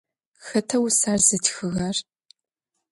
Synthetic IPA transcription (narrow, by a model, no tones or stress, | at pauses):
xɐtʰɐwsarzɨtxɨɣɐr